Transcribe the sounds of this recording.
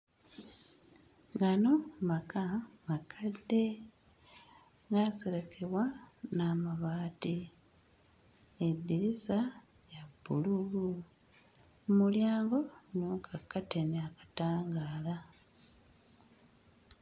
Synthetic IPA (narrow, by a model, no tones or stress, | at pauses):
ɡano̞makamakʰadːe̞ | ɡasele̞kʰe̞βwanaːmaβaːti | edːiɾisa | jabːṵlulu | muljaːŋɡo̞ɲuːŋkʰakːate̞neakḁtaːŋɡaːla